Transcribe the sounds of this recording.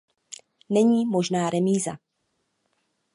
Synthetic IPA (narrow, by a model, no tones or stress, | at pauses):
nɛɲiːmo̞ʒnaːɾɛmiːza̰